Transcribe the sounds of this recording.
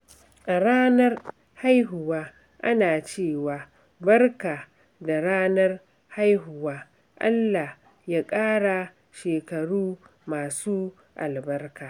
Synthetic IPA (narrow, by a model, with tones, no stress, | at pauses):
ʔa˨ɽaː˦nɐ˦r | ha˦jɦʊ˨waː˦ | ʔa˦naː˨t͡ʃeː˦˨waː˨ | bɐ˦rkaː˨ | da˨ɽaː˦nɐ˦r | ha˦jɦʊ˨waː˦ | ʔa̰˦lːa˨h | jaː˦kʼaː˦ɽa˨ | ʃeː˨kɐ˨ɽuː˦maː˨suː˦ | ʔa˨lbɐ˦rkaː˨